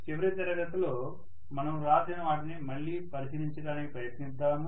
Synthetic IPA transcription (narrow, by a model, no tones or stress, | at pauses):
t͡ʃiʋɐɾit̪ɐɾɐɡɐt̪ɐloː | mɐnɐmɾaːd͡ʒ̪ɐnɐʋaːʈ̬inimɐɭːiːpɐɾisiɾiɲt͡ʃɐɽaːnikipɾɐjɐt̪nisd̪aːmu